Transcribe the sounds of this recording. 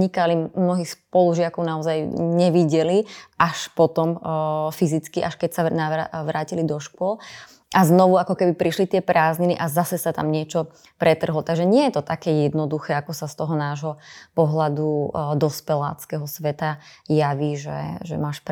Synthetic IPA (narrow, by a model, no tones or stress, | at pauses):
ɲikalimnɔɦiːxspɔluʒɪakɔʊnaɔzajɲɛʋiɟɛliʔaʃpɔt̪ɔmfizit͡skiʔaʃkɛcsanaʋaʋɾaːcilid̪ɔʃkʊɔl | aznɔʋuakɔkɛbipɾiʃlit̪ɪɛpɾaːzɲiniʔazasɛsat̪a̰mɲɪɛt͡ʃɔ | pɾɛt̪r̩ɦlɔt̪aɡʒɛɲɪɛjɛt̪ɔt̪akɛːjɛd̪nɔd̪uxɛːakɔsast̪ɔɦɔnaːʒɦɔpɔɦlad̪ud̪ɔspɛla̰ːt͡skɛɦɔsʋɛt̪ajaʋiːʒɛ̰ʒɛ̰maːʃp